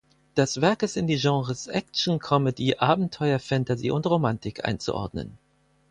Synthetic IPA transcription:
d̥ɛsv̥ɛɐkəsɪndiːʒɑ̃ːʁəsʔɛk̚t͡ʃn̩kʰɔmədiːʔaːbm̩tʰɔʏɐfɛntazḭːʊntʁomantɪkʔa̰ɪnt͡sṵʔɔ̰ɐdnə̰n

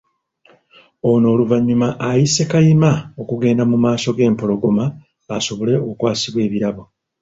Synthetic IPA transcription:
o̞no̞ːluvaɲːumaʔajise̞kajimaokuɡe̞ːndamumaːso̞ɡe̞ːmpo̞lo̞ɡo̞ma | aso̞βole̞oukwaːsiβwe̞ːβiɾaβo̞

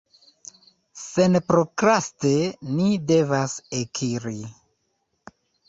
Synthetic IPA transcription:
se̞npɾokɾastenide̞vasekʰiɾi

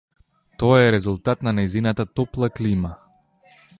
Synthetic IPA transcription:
t̪ɔaɛɾɛzulˠt̪at̪nanɛjzinat̪at̪ɔplˠaklima

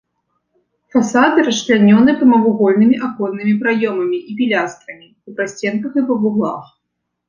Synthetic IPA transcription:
fasad̪ɨɾɐslʲanʲɔnɨpɐmɐvuɣɔlʲnɨmʲiʔakɔnːɨmʲipɾajɔmɐmʲiʔipʲilʲast̪ɾɐmʲipupɾasʲt͡sʲɛnkɐxɨpɐbuɣlˠa̰x

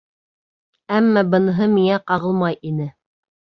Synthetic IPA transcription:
æmːæbɤ̆nɦɤmiŋæqɑʁɤ̆lˠmɑjʔinɘ

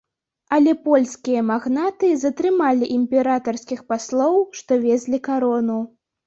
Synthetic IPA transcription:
ɐlʲɛpɔlʲskʲijɐmaɣnat̪ɨzɐt̪ɾɨmalʲiʔimʲpʲɛɾat̪ɐrskʲixpaslˠɔwʂt̪ɔvʲɛzʲlʲikaɾɔnu

